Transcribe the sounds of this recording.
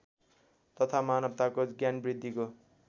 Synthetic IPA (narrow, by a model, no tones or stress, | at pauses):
t̪ʌt̪ʰamanʌb̚t̪akoɡjanbrid̪ʱːiko